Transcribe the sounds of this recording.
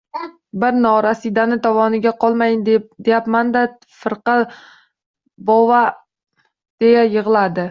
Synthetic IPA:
bɪɾnɒɾasid̪anɪt̪ʰɒvɒnɪɡʲaqʰɒlˠmajnd̪d̪ejapmand̪a | fɨɾqɑ | bɒva | d̪̥e̞jajɨʁlˠad̪ɪ

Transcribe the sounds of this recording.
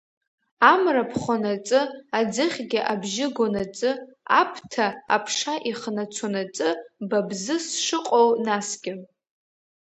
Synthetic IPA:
amrapʰχʷonat͡sʼɨad͡zɨχʲɡʲɪʔabʒɪɡʷonat͡sʼɨa̰pʰtʰa̰ːpʰʂaʔiχnat͡sʷʰonat͡sʼɨbabzɨsʂɨqʼownasɡʲɪ

